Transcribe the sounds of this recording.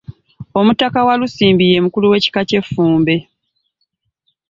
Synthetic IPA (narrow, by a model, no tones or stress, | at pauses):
o̞mutakawalusiːmbije̞ːmukuluwe̞ːci̥kace̞fːuːmbe̞